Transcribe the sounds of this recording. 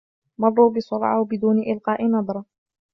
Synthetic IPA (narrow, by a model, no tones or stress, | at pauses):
mɑdˤːuːbɪsʊlʕa̰wbɪd̪uːnɪʔɪlqɑːʔɪnɑd̪ˤɾˤɑ